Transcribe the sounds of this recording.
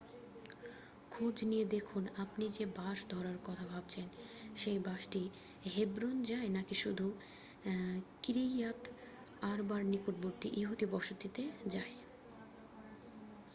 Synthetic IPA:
kʰod͡ʑnijed̪ekʰunapnid͡ʑebaʃd̪ʱɔɾaɾkɔt̪ʰabʱabt͡ɕʰenʃejbaʃʈi | ɦebɾond͡ʑaenakiʃud̪ʱu | kɾiat̪ | aɾbaɾnikuʈ̚boɾt̪iʔiɦud̪ibɔʃot̪it̪ed͡ʑae

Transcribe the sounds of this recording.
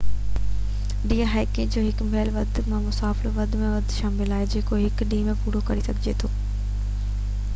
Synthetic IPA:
ɗiːəɦaːɪkɪ̃d͡ʑoːɦɪkmʱɛːlʋɐd̪ʱmãmʊsaːfɪloʋɐd̪ʱmẽʋɐd̪ʱʃaːmɪlaːɦed͡ʑeːkoɦɪkɗĩːmẽpuːɾokɐɾisɐɡʱɪd͡ʑet̪ʰoː

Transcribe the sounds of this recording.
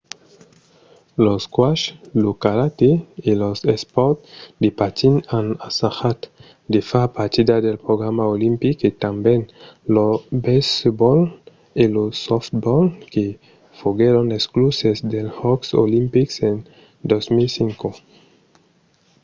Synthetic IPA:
loskwaʃlokaɾat̪eilosespɔɾt̪d̪epat̪inanasaxat̪ | d̪efapaɾt̪id̪ad̪elpɾoɣɾamaolimpiket̪ambenlobesbɔl | elosoft̪bɔlke | foɡeɾonesklusesd̪elhɔkso̰limpiksen | d̪osmilsiŋko

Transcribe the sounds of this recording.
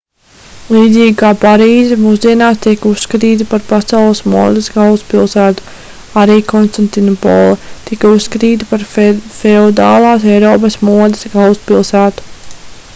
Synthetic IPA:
lˠiːd̪ziːɡkaːpaɾiːzɛmuːzd̪iɛnaːst̪iɛkusːkat̪iːt̪̬ipaɾpasawlˠəsmuɔd̪esɡalˠspilˠsæːt̪u̥ | aɾiːkʰɔnst̪ant̪inɔpɔ̰lˠɛt̪ikausːkat̪iːt̪̬ipaɾfɛɔd̪a̰ːlˠɑːs̬ɛjɾɔːp̬ɐsmuɔd̪ɛsɡalˠspilˠsæːt̪u̥

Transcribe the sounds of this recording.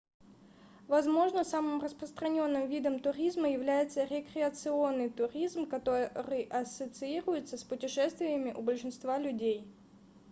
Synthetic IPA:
vɐzmo̞ʐnəsamɨmrəspɾəst̪ɾɐnʲo̞nːɨmvʲid̪əmt̪ʊɾʲizməjɪvlʲæjɪt̪səɾʲɪkɾʲɪət̪sɨo̞nːɨjt̪ʊɾʲizmkɐt̪oɾɨjʔɐsət̪sɨiɾʊjɪt̪səspʊtʲɪʂɛst̪vʲɪjəmʲɪʔʊbəlʲʂɨnst̪valʲʉdʲej

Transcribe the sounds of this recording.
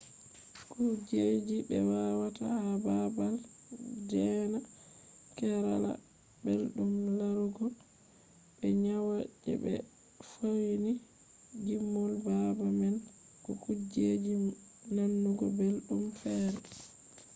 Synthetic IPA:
kud͡ʒed͡ʒibɛwawata̰ababald͡ʒɛna | kɛɾa̰la̰ | belɗumlaɾuɡɔ | bɛɲawad͡ʒɛ̰bɛ̰ | fowni | d͡ʒimːɔlbabamɛn | kɔkud͡ʒed͡ʒinanːuɡɔbelɗumfɛːɾɛ

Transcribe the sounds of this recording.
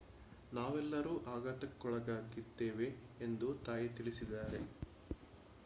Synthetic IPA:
naːʋɛlːɐɾuːʔaːɡat̪ɐkːɔɭɐɡaːɡid̪ːeːʋe̞ːnd̪ut̪aːjɐt̪iɭisid̪aːɾe̞

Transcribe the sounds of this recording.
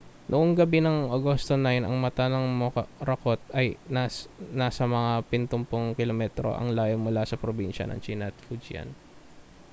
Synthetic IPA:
nʔoʔoŋɡɐbinɐŋʔɐɡo̞st̪onɐjonɐ̰ŋmɐt̪anɐŋmokɐɾɐkot̪̚ɐjanaːsɐmɐŋapɪnt̪ʊmpʊŋkɪlomɛt̪ɾo̰ʔɐ̰ŋlaːjonmʊlasɐpɾobinʃɐ̰nɐ̰ŋt͡ʃinɐt̪fudd͡ʒjɐ̰n

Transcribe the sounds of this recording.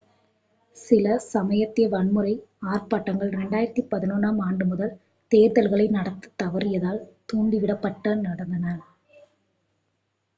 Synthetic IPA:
sɪlɐsɐmɐjɐt̪ːɪjɐʋɐɳmɯɾɐɪaːrpaːʈːɐŋɡɐɭɾɛɳɖaːjɪɾɐt̪ːipɐðɪnoːnaːmaːɳɖɯmʊðɐl | t̪eːɾðɐlɣɐɭɐɪnɐɽɐt̪ːɯ̥t̪ːɐʋɐɾɪjɐðaːlt̪uːɳɖiʋɪɽɐpːɐʈːɐnɐɽɐnd̪ɐnɐ

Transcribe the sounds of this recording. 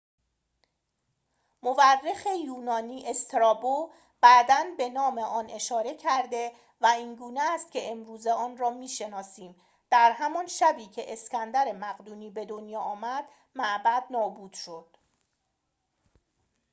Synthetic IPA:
moværːexe̞juːnɒːniːʔe̞st̪ʰɾɒːbo | b̥æːd̪ænbe̞nɒːme̞ʔɒːnʔe̞ʃɒːɾe̞cʰæɾd̪e̞ | væiːnɡuːneæst̪̚cʲʰe̞emɾuːzeɒːnrɒːmiːʃe̞nɒːsiːm | d̪̥æɾɦæmɒnʃæbiːcʰe̞ʔescænd̪æɾe̞mæɣd̪uːniːbe̞d̪o̞njɒːɒːmæd̪̥ | mæʔbæd̪̚nɒːbuːd̪̥ʃo̞d̪̥

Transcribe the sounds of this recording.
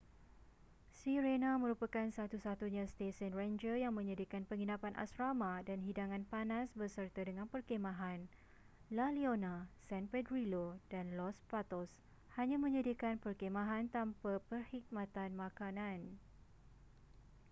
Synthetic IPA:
siɾenamə̃ɾupakansat̪usat̪uɲãst̪esənrend͡ʒəjaŋmə̃ɲədikanpəŋinapanʔa̰sɾamadanɦidaŋãnpanãsbərsərt̪adəŋãnpərkemãɦan | lalionãsɛnpɛdɾilodanlɔspat̪ɔs | haɲãmə̃ɲədiakanpərkemãɦant̪ampapərhik̚mãt̪anmãkanãn

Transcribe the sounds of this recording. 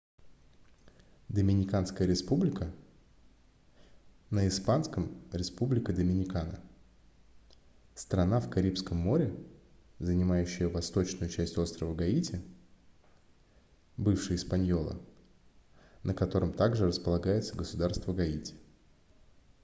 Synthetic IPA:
d̪əmʲɪnʲɪkanskəjəɾʲɪspublʲɪkə | nəɪspanskəmɾʲɪspublʲɪkʲɪd̪əmʲɪnʲɪkanə̰ | st̪ɾɐnafkɐɾʲipskəmːo̞ɾʲɪ | zənʲɪmajʉɕːɪjəvɐst̪o̞t͡ɕnʊjʊt͡ɕæsʲtʲo̞st̪ɾəvəɡɐitʲɪ | bɨfʂɨjɪspɐnʲjo̞lˠə̰ | nəkɐt̪o̞ɾəmt̪aɡʐɨrəspəlˠɐɡajɪt̪səɡəsʊd̪arst̪vəɡɐitʲɪ̥

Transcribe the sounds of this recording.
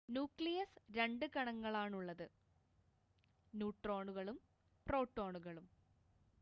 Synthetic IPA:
njuːkɭijɐsɾe̞ɳɖɨkɐɳɐŋːɐɭaːɳuɭːɐðɨ | njuːʈro̞ːɳuɣɐɭum | pro̞ːʈːo̞ːɳuɣɐɭum

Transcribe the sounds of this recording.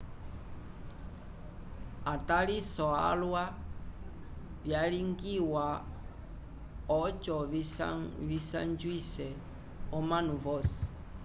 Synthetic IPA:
atalisɔa̰lwa | vjaliŋɡiwa | ɔt͡ʃɔ | visand͡ʒwisɛ | ɔmanuvɔsi̥

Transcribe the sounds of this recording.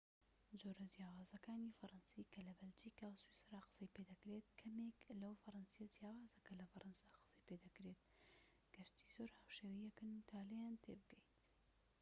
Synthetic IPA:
d͡ʒoːɾɐd͡ʒjaːwaːzɐkaːnifɐɾɐnsikɐlɐbɐld͡ʒikawswisɾaːqɨ̥sɐjped̪ɐkɾet̪kʰɐmeklɐwfɐɾɐnsijɐd͡ʒjaːwaːzɐkʰɐlɐfɐɾʔɐnsaqɨ̥sɐjped̪ɐkɾet̪̚ | ɡ̥ɐɾt̪ʰi̥z̥oɾhaːwʃeːwijɛkɨnut̪ʰaːlɐjaːnt̪ʰḛbɨɡɛjt̪

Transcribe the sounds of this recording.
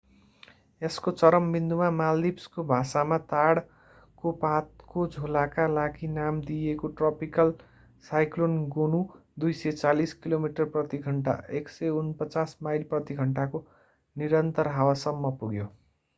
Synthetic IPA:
eskot͡sʌɾʌmbind̪umamald̪ibskobʱasamat̪aɽ | kopat̪̚kod͡zʱolakalaɡinamd̪ijekoʈrʌpikʌl | sajklonɡonud̪ujsʌt͡saliskilomiʈʌrprʌt̪iɡʱʌɳʈa̰eksʌunpʌt͡sasmajlprʌt̪iɡʱʌɳʈako | niɾʌnt̪ʌrɦawasʌmːʌpuɡjo

